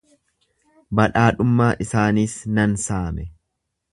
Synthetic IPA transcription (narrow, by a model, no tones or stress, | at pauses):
bɐᶑaːᶑʊmːaːʔɪsaːniːsnɐnsaːmɛ